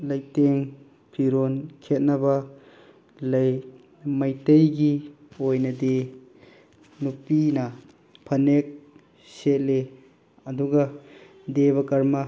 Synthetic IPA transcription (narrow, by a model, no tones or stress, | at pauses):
lɐjteŋ | pʰiɾonkʰet̚nɐbɐ | lɐj | mɐjtɐjɡi | ojnɐdi | nupinɐ | pʰɐnek̚ | set̚le | ɐduɡɐ | deβɐkɐɾmɐ